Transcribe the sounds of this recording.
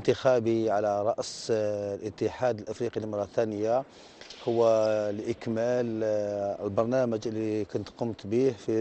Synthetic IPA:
nt̪əxæbiʕalæɾˤɑʔslʔət̪ːəħad̪əlʔəfɾiqilmɾˤɑt̪ænəja | hʊwːælʔəkmæləlbɑɾˤnæməd͡ʒʔəlːikʊnt̪qʊmt̪bihfi

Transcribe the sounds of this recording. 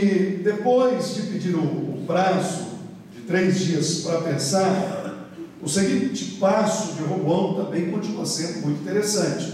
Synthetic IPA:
ɪd̪epojsd͡ʒɪpid͡ʒiɾɐ̃ʊ̰pɾasʊ | d͡ʒɪt̪ɾejzd͡ʒiɐspɾɐpẽsaɾ | ʊseɡĩt͡ʃɪ̥pasʊd͡ʒɪɦoɐ̃w̃t̪ɐ̃mbẽj̃kõt͡ʃinuɐsẽnd̪ʊmũj̃t̪ĩt̪eɾesɐ̃t͡ʃɪ̥

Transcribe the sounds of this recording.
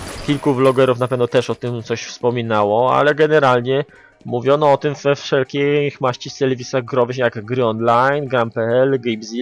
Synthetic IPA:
kʲilkublɔɡɛɾufnapɛvnɔt̪ɛʂɔt̪ɘmt̪sɔɕfspɔmʲinawɔa̰lɛɡɛnɛɾalɲɛ | muvʲjɔnɔɔt̪ɘmvɛfʂɛlkʲixmaɕt͡ɕist̪ɛlɛvʲisaɣɡɾɔvɘxjaɡɡɾɘɔnlajnɡɾampɛɛlɡɛjbzʲi

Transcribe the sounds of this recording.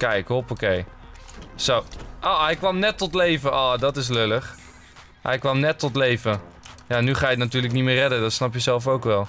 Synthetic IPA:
kɛjkɦɔpokej | sowʔoɦɛjkʋɑmnɛtːɔtlejvəʔoːdɑtɪs̬løləχ | ɦɛ̰jkʋɑmnɛtːɔtlejvə | jaːnyχaːjəknatyːɹləknitmɪːrɛdədɑtsnɑpjəzɛlˠfowkʋɛlˠ

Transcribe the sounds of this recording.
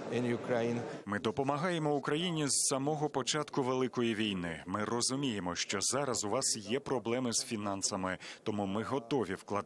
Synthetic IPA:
ɪ̃njukɾajnmɪd̪ɔpɔmɐɦɑjemɔʊkɾɐjinʲizsɐmɔɦɔpɔt͡ʃɑt̪kʊʋelˠɪkɔjiʋʲijnɪmɪrɔzʊmʲijemɔʃt͡ʃɔzɑɾɐzʊʋɑsjɛpɾɔblˠɛmɪz̥fʲinɑnsɐmɪt̪ɔmumɪɦɔt̪ɔʋʲiwklˠɐ

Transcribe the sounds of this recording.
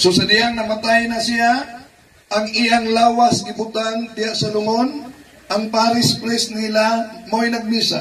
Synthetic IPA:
sosɐd̪ɪaŋnɐmat̪ajnasiaː | ŋɪjaŋlaːwasɡɪbʊt̪and̪ɪhaʔsalʊŋon | ʔaŋpaːɾɪspɾɛsnilamojnɐɡ̚miːsa̰

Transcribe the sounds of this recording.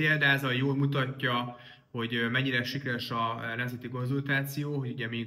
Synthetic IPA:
eːld̪aːzɒjoːlmut̪ɒcːɒ | ho̞ɟmɛɲːiɾɛʃikɾɛʃɒnɛmzɛt̪iko̞nzult̪aːt̪sijoːɦo̞ɟuɟɛmiː

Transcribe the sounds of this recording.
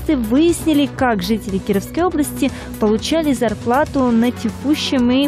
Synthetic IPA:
ɨvɨjɪsʲnʲɪlʲɪkakʐɨtʲɪlʲɪkʲɪɾəfskəjo̞blˠəsʲtʲɪ | pəlˠʊt͡ɕælʲɪzɐrplˠat̪ʊnətʲɪkuɕːɪmi

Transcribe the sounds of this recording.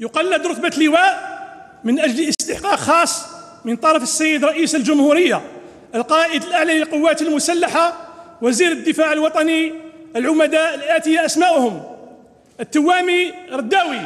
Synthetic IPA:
jʊqɑlːəd̪ɾˤʊt̪bat̪ləwæʔ | mənʔæd͡ʒləsst̪əħqɑqxɑsˤː | mənt̪ˤɑɾˤɑfəsːæjːəd̪ɾˤɑʔisəlʒʊmhuɾəjːa | ʔəlqɑʔəd̪əlʔaʕlaləlqʊwːæt̪əlmʊsælːaħawæziɾəd̪ːəfaʕəlwɑt̪ˤɑniəlʕʊmæd̪aʔəlʔæt̪əjaʔæsmæʔhʊm | ʔət̪ːəwːæmiɾˤɑd̪ːæwi

